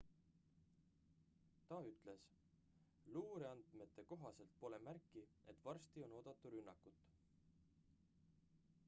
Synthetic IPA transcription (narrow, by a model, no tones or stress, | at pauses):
t̪ɑyt̪ˑle̞s | luːɾeɑnd̪̥me̞t̪ˑːe̞ko̞ɦɑse̞lt̪̚po̞le̞mærkːie̞t̪ːˑvɑrst̪io̞no̞ːd̪̥ɑt̪ːˑuɾynːɑkːut̪ːˑ